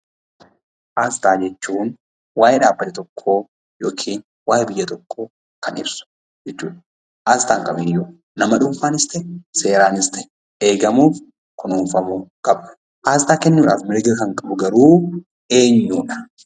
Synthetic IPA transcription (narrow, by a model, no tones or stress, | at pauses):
ʔaːst̪aːd͡ʒɛt͡ʃːuːn | waːjɛᶑaːbːɐt̪ɪt̪ɔkʰːo̞ː | jo̞ːkʰiːn | waːjbɪjːɐt̪ɔkʰːoː | kɐnɪ̰bsʊ̥ | d͡ʒɛt͡ʃːuːᶑɐ̥ | ʔaːst̪aːŋkʼɐbɪnjo | nɐmɐᶑuːfaːnɪst̪ɛse̞ːɾaːnɪst̪ɛ̥ | eːɡɐmuːf | kʊnuːɱfɐmukʼɐbʊ̥ | ʔaːs̬t̪aːkɛnːuːᶑa̰ːfmɪɾɡɐkɐŋkʼɐbʊɡɐɾuː | e̞ːɲːuːᶑɐ̥